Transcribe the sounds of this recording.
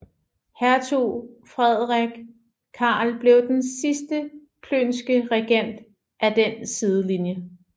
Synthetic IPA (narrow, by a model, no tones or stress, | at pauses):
hæɐt͡sʰṵfʁɛð̞ˠʁaeɡ̥ | kʰɑ̈ːlb̥le̝ʊd̥ensisd̥ə | kʰlø̰ːnsɡ̥əʁɛɡ̥en̰d̥ | ʔæd̥ensið̞ˠəlinjə